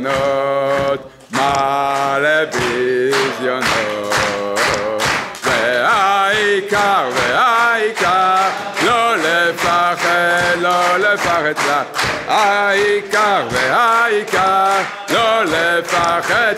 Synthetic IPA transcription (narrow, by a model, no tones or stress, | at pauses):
nɔ | t̪ | malɛvizjɔnɔ | vɛaikaʁvɛaika | lɔlɛpaʁɛlɔlɛpaʁɛt̪laaikaʁvɛaikaʁ | lɔlɛpaʁɛ